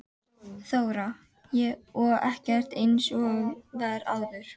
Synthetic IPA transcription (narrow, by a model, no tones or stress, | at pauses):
θoːwɾa | jɛɔɛhcɛr̥t̪ejnsɔvɛɾa̰ːwðʏɾ̥